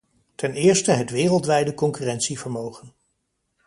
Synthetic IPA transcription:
tɛnɪːɹstəɦətʋɪːrəlˠtʋɛjdəkɔŋkyrɛntsivəɹmowχən

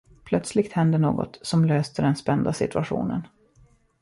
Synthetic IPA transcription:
pʰlœt̪slɪɡt̪hɛnd̪əɳoːɡɔ̰t̪sɔmløːst̪əd̪ɛnspɛnd̪asɪ̰t̪ɵaɧṵːnə̰n

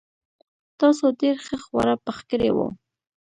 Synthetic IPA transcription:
t̪ɑsodeɾxəxwa̰ɾapəxkəɾḛwo̰

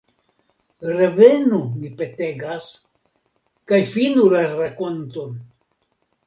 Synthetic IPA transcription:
ɾe̞ve̞numipe̞te̞ɡas | kajfinulaɾakont̪on

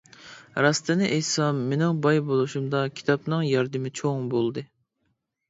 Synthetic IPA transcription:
ɾɑst̪ɨnɪʔejsɑmːenɪŋbɑjbolˠuʃumd̪ɑkʲʰi̥t̪ʰɑpnɨŋjɑɾd̪ɨmɪt͡ʃʰoŋbolˠd̪ɨ

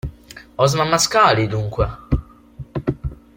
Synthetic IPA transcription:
ɔzmamːaskaːlid̪uŋkwɛ

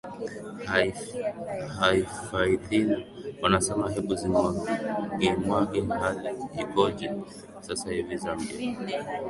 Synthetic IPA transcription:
haifait̪iniwanasɛmaɦɛɓuzimwaɡimwaɡɛnɦaliikɔd͡ʒɛ | sasahivizambia

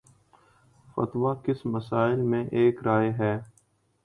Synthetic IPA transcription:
fɐ̰t̪ʋaːkɪsməsaːɪlmẽʔeːkɾaːeɦɛː

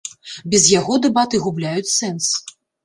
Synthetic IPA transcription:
bʲɛzjaɣɔd̪ɛbat̪ɨɣublʲajut͡sʲsɛns

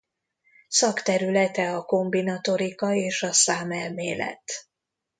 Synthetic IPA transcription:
sɒkt̪ɛɾylɛt̪ɛɒko̞mbinɒt̪o̞ɾikɒeːʃɒsaːmɛlmeːlɛ̰t̪

